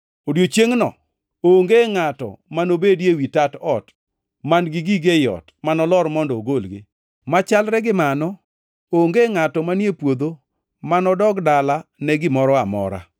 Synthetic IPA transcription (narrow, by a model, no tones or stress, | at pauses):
odjot͡ʃjeŋnɔ̰ | oŋɡeŋatɔ̰manobedjewitatɔt | manɡɪɡiɡejɔ̰tmanɔlɔɾmɔndɔoɡolɡɪ̰ | mat͡ʃalɾɛɡɪmanɔ | oŋɡeŋatɔmanjepwod̪o | manɔdɔɡdalanɛɡɪmɔɾɔamɔ̰ɾa̰